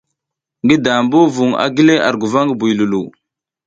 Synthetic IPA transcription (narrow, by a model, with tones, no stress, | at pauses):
ŋɡi˦da˨mbu˦vu˨ŋa̰˨ɡi˦le˦ʔa̰˨ɾɡu˨va˦ŋɡbu˨jlu˨lu˨